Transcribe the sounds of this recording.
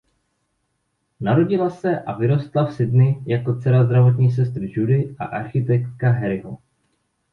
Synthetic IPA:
naɾo̞ɟɪlasɛʔa̰vɪɾo̞st̪lafsɪdnɪjako̞t͡sɛɾazd̪ɾavo̞t̪ɲiːs̬ɛst̪ɾʒudɪʔa̰ʔaɾxɪt̪ɛk̚t̪̚kaɦɛɾɪɦo

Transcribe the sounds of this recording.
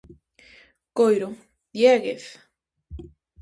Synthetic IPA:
kojɾo | d̪jeɣeθ

